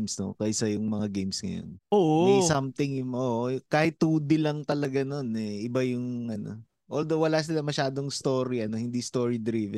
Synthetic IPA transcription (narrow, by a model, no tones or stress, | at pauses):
msno̰kɐʔɪsɐjʊŋmɐŋaɡejmsŋɐ̰jo̰noːʔesɐmt̪ɪŋjʊŋʔoːʔkaːhɪt̪ːuːd̪ɪlɐŋt̪ɐlɐɡano̞nɛʔɪbajʊŋʔɐno̰ | ʔold̪owɐlaːsɪlɐmɐʃaːd̪o̞ŋst̪o̞ːɾiɐno̞hɪnd̪ist̪o̞ːɹid̪ɾiːvɛ